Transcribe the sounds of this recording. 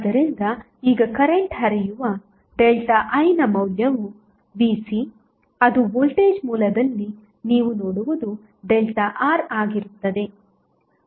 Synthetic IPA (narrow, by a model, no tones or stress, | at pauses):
ad̪ɐɾind̪ɐ | iːɡɐkɐɾeɳʈɦɐɾijuʋɐ | ɖelʈɐʔɐjnɐmɐwljɐʋu | biːsi | ɐd̪ubolʈeːd͡ʒmuːlɐd̪ɐlːi | niːʋunoːɽuʋud̪u | ɖelʈɐʔaːɾaːɡiɾut̪ːɐd̪e̞